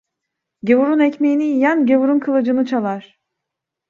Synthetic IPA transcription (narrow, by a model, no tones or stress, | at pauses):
ɟe̞vuɾunɛcmejinijænɟevuɾunkʰalˠad͡ʒɯnɯt͡ʃʰalˠaɾ̥